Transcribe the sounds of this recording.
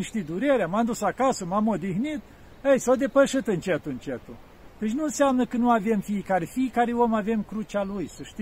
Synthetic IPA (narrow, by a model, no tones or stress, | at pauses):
ʃt̪id̪uɾeɾeamamd̪usakasəmamo̞d̪ixnit̪̚ | əjsawd̪e̞pəʃɨt̪ɨnt͡ʃet̪uɨnt͡ʃet̪u | t̪ət͡ʃʲnuɨnseamnəkənuave̞mfiekaɾefiekaɾeo̞mave̞mkɾut͡ʃalujsəʃt̪i